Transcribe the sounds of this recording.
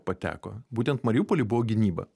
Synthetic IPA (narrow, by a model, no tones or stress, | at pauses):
pɐt̪ʲæ̰ːko̰ːbuːt̪ʲɛnt̪mɐɾʲjuːpɔlʲɪbʊʋoːɡʲɪnʲiːbɐ̰